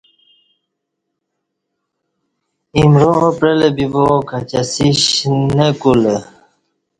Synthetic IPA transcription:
imɾoːpɾelebibokʰat͡ɕasiɕnekule

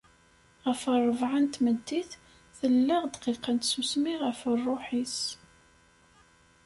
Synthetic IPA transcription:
ʁəfərˤːəvʕant̪məd̪ːiθ | θəlːəʁd̪qiqːant̪susmiʁəfərˤːoħis

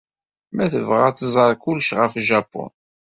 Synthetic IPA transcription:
mæθəvʁat͡sːəzˤəɾˤkʊlʃʁəfʒɑpːʊ̰n

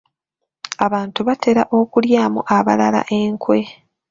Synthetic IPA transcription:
aβaːntuβatʰe̞ɾaʔo̞kuljaːmṵʔaβalala̰ʔe̞ːŋkwe̞

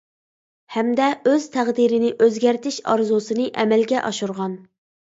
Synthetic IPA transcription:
hɛmd̪ɛøz̥t̪ʰæʁd̪iɾɪnɪʔøzɡʲæɾt̪ʰɪʃɑ̰ɾzusɨnɨʔɛmɛlɡʲɛʔɑʃuɾʁɑn

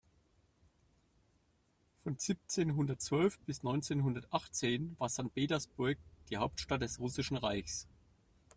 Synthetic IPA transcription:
fɔnz̥ip̚t͡seːnɦʊndɐtt͡sv̥œlfb̥ɪsnɔʏnt͡seːnɦʊndɐtʔaχt͡seːnvaːɐz̥ant̚peːtɐsb̥ʊɐk̚d̥iːhaʊp̚tʃtat̚d̥ɛsʁʊsɪʃn̩ʁaɪçs

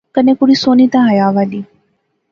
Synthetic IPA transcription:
kənẽːkʊɽisoːnit̪ãɦɐjaːʋaɗiː

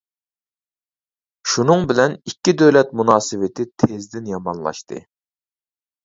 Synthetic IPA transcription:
ʃunɨŋbɪlɛnikʲːid̪øwlɛt̪̚munɑːsɨwɪt̪ʰɪt̪ʰezd̪ɪnjɑmɑnlˠɑ̰ʃt̪ʰɨ̰

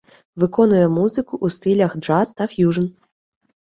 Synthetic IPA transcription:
vɨkɔnujɛmuzɨkuʔːst̪ɨlʲɐxdʐast̪afʲjuʐɨn

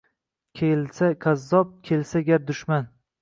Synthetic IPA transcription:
kʲʰelsakʰʲazːɒp̚kʲʰe̞lsaɡʲaɾd̪ʊʃman

